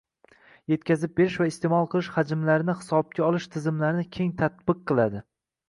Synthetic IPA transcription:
je̞t̪kʲʰazɪp̚be̞ɾɪʃvaɪst̪e̞mɒlˠqʰɨlˠɪʃhad͡ʒɪmlaɾɪnɪhɪ̥sɒb̚kʲaɒlˠɪʃt̪ʰɪzɪmlaɾɪnɪkʲʰe̞ŋt̪ʰat̪̚bɨqːɨlˠad̪ɪ

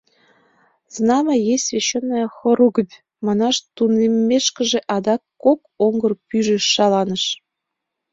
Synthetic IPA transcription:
znɑmɑjesʲsvʲeɕːenːojxɤ̆ɾuɡə̆tʲ | mɑnɑʃt̪unemʲːeʃkə̆ʒĕʔɑd̪ɑkːok | oŋɡɤ̆rpyʒeʃːɑlɑnə̆ʃ

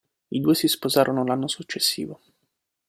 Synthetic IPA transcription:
id̪uːesispozaːɾʔonolanːosut͡ʃːesːḭːvo

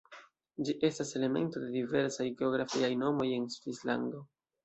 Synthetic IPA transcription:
d͡ʒiʔe̞stase̞le̞me̞̰nto̞de̞dive̞ɾsajɡe̞o̞ɡɾafiajno̞mo̞je̞nsvisla̰ndo̞

